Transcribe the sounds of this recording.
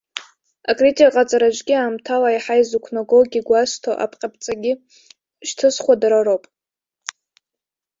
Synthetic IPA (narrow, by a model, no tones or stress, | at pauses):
akʼritʲʼikʼat͡sʼaɾat͡ʃʼɡʲiaːmtʰalaiħajzukʷʰnoɡoɡʲiɡʷastʰoʔa̰pʰqʲʼap̚ʰʼt͡sʼaɡʲi | ʃtʰɨsχʷadaɾaɾowpʼ